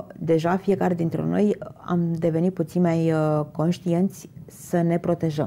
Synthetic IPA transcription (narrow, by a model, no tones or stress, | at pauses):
d̪e̞ʒafije̞kaɾe̞d̪int̪ɾḛno̞ja̰md̪e̞ve̞nit̪̚put̪sinʲmajko̞nʃt̪ie̞nt̪sʲ | səne̞pɾo̞t̪e̞ʒəm